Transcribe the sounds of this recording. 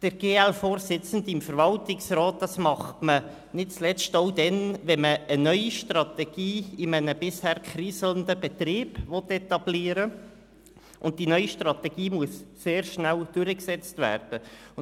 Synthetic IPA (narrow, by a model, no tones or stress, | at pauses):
d̥əɾɡ̥eːɛlfoːrsɪt͡sən̩dɪmfəɾvɑltɪksrɔːt̚d̪̥ɑsmɑχtmə | nɪt̚t͡slɛt͡stodɛnvɛnməːnœʏiʃtrɑt̪ɛɡ̥iːɪmənəbɪshæːrkχriːsl̩əndəbɛt̪riːbvɔtɛt̪ɑbliːəɾə | ʔʊnt̚d̥inœʏiʃtrɑtɛɡ̥iːmuəsːeːrʃnæld̥ʊɾəksɛt͡stvæ̰ːrd̥ə